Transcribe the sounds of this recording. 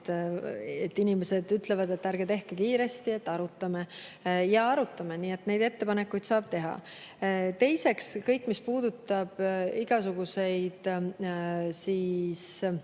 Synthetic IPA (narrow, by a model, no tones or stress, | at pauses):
t̪ | et̪ːˑinimese̞d̪̥yt̪le̞vɑd̪e̞t̪ːˑæɾɡ̥et̪e̞hkekiːɾe̞st̪ie̞t̪ːˑɑɾut̪ːˑɑmejɑɑɾut̪ːˑɑmeniːe̞t̪ne̞jd̪e̞t̪ːe̞pɑne̞kːˑujd̪̥sɑːb̥̚t̪e̞ɦɑ̰ | t̪e̞jse̞kskɤjkːˑmispuːd̪̥ut̪ːˑɑb̥iɡ̥ɑsuɡ̥use̞jd̪̥ | siːs